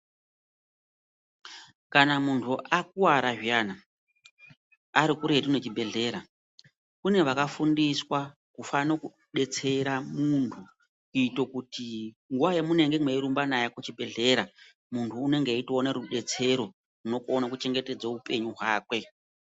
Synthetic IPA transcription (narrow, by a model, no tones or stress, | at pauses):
kanamuntʰuʔak̚uwaɾaʐijaːna | aɾikuɾe̞dino̞t͡ʃibʱe̞ɮe̞ːɾa | kune̞ʋakafundiswa | kufanoku | ɗe̞t͡se̞ɾamuntʰu | kuitokuti | ŋɡuwajemune̞ŋɡe̞mweiɾumbanajakut͡ʃibʱe̞ɮe̞ːɾa | muntʰuːne̞ŋɡeitioneɾuɗe̞t͡se̞ɾo̞ | runo̞konakut͡ʃe̞ŋɡe̞te̞d͡zaupe̞ɲuɦwaːkwe̞